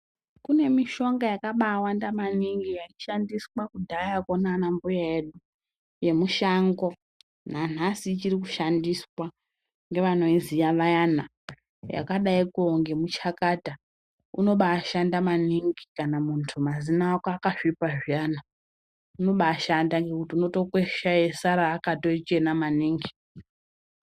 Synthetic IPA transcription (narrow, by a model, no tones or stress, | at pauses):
kune̞miʃo̞ŋɡajakaɓaːwandamaniŋɡijat͡ʃiʃandiswakudʱajakonanambujaeɗu | je̞muʃaŋɡo̞ | nan̤asit͡ʃirikuʃandiswa | ŋɡe̞ʋano̞izijaʋajana | ja̰kaɗaikuoŋɡe̞mut͡ʃakaːta | uno̞ɓaːʃandamaniŋɡikanamuntʰumazinakakaʂipaʐijana | uno̞ɓaːʃandaŋɡe̞kutiuno̞to̞kweʃajesaɾaːkato̞it͡ʃe̞namaniːŋɡi